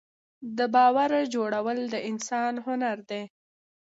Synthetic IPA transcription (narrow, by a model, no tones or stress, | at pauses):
d̪əbɑwaɾd͡ʒoɽawəld̪əʔɪnsɑnɦʊnaɾd̪e